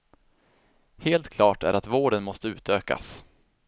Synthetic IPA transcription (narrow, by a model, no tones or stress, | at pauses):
heːlt̪kʰlɑːʈæ̰ɾʔat̪voːɖənmɔst̪əʉ̟ːt̪øːka̰s